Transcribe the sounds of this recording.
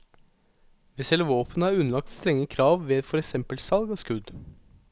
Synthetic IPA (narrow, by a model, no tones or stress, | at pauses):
ʋɛsɛləʋoːpʰənəɑːɾʉnəlɑk̚t̪st̪ɾɛŋːəkʰɾɑːʋʋeːfɔɾɛksɛmpəlsɑlɡoːskʉd̪